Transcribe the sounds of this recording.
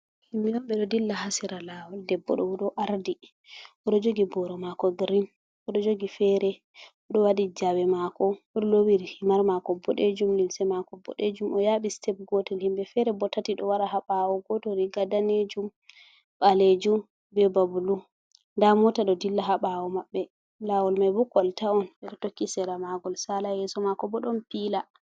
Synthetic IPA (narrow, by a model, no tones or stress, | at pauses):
himijɔmbɛɗɔdilːahasiɾalawɔldɛbːɔɗɔɔɗɔʔaɾdi | ɔɗɔd͡ʒoɡibɔɾɔmakɔɡɾin | ɔɗɔd͡ʒoɡifɛɾɛ | ɔɗɔwadid͡ʒawɛmakɔɔɗɔlowiɾihimaɾmakɔbɔɗed͡ʒumlimsɛmakɔbɔ̰ɗed͡ʒumʔɔjaɓistɛp̚ɡɔtɛlhimbɛfɛɾɛbɔtːatiɗɔwaɾahaɓawɔɡɔtɔɾiɡadaned͡ʒum | ɓaled͡ʒum | bɛbabulu | ndamɔtaɗɔdilːaɦaɓawɔmaɓːɛ | lawɔlmajbukːɔltaɔnɓɛɗɔtokːisɛɾamaɡɔlsalajɛsɔmakɔbɔɗɔmpila